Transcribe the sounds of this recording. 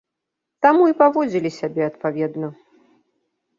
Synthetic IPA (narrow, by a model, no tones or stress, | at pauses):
t̪amuipavɔd͡zʲilʲisʲabʲɛɐt̪pavʲɛd̪nɐ